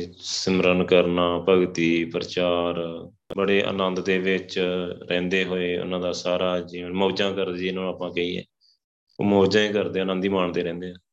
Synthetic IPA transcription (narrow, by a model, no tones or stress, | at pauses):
səmɾənkəɾnaːpəɡt̪iːpəɾət͡ʃaːɾ | bəɽeːʔə̰nə̃nd̪d̪eːʋɪt͡ʃɾɛ̃ːnd̪eːɦoːeːʊ̰nãːd̪aːsaːɾaːd͡ʒiːənmoːd͡ʒãːkəɾd̪ːd͡ʒɪnãːnõaːpãːkəiːɛ̰ː | o̰ːmoːd͡ʒãːẽːkəɾd̪eːənə̃nd̪iːmaːɳd̪eːɾɛ̃ːnd̪eːãː